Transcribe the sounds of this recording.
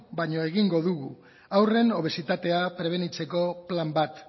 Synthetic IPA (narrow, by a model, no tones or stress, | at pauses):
baɲo̞eɣiŋɡo̞ðuɣu | awre̞no̞β̞e̞sit̪at̪e̞apɾe̞β̞e̞nit͡se̞ko̞plambat̪